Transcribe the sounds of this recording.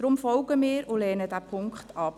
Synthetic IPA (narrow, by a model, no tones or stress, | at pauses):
d̥ɾʊmfɔlɡəmɪːɾʊlɛːnədæpʰʊŋkχtɑp